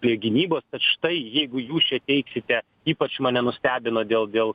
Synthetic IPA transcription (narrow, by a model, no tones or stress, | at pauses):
lʲejoɡʲɪnʲiːboːst̪ɐt̪ʃɪ̥t̪ɐɪjɛɪɡʊjuːst͡ʃʲɛt̪ʲɛɪksʲɪt̪ʲɛ | iːpɐt͡ʃmɑːnʲɛnʊsʲt̪ʲæːbʲɪnoːd̪ʲeːlˠd̪ʲeːlˠ